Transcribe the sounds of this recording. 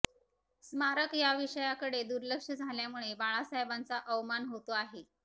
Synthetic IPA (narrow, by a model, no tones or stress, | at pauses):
smaɾəkjaʋiʂəjakəɽed̪uɾləkʂəd͡zʱaljamuɭebaɭasajbant͡saʔəʋmanɦot̪oaɦe